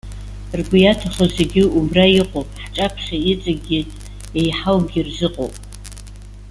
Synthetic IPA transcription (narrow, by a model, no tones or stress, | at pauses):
rɡʷʊjatʰaχozeɡʲɪumrajiqʷʼopʼħt͡ʃʼapʰʃait͡sʼaɡʲɪ | jejħawmɡʲɪrzɨqʼo̰wpʼ